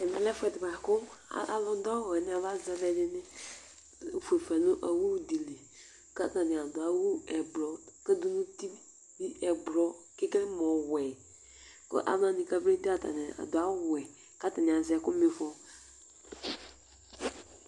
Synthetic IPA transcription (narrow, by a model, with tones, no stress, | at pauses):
ɛ˨mɛ˨lɛ˦fɛ˨tɪ˨ba˨kʊ̰˦˨a˨lɔ˦n˦dʊ˦a˦wɔ˨ɛ˨nɪ˦a˨va˦zɛ˦lɛ˦dɪ˦nɪ˦˨ | fu˨e˨fɛ˨nʊ̃˦ʔa˨wu˦˨di˨li˨ | ka˦ta˨nɪ˨a˨dʊ˨a˨wu˦ɛ˨bɾɔ˨ke˦dʊ˦nʊ̃˦ti˦b | i˦ɛ˨bɾɔ˦kɪ˦ke˦lɪ˦mɔ˨wɛ˨ | ko̰˦ʔa̰˨m˦a˦ni˨ka˦bɾe˦di˦a˦ta̰˨nɪ˨a̰˨dʊ˨a˦wɛ˨ | ka˦ta˨nɪ˨a˨zɛ˨kʊ˦mɪ˨fɔ˦